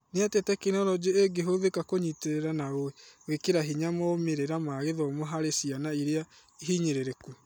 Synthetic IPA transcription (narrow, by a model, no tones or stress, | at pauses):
neatɛtɛkenɔɾɔd͡ʒeeɡeɦoðekakoɲiteɾeɾanaɣoewekeɾaɦiɲamɔomeɾeɾamaɣeðɔmoɦaɾesianaiɾea | iɦiɲeɾeɾeku